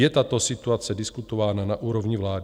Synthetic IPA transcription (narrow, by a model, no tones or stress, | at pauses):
jɛt̪at̪o̞sɪt̪uat͡sɛdɪskut̪o̞vaːnanaʔuːɾo̞vɲɪvlaːd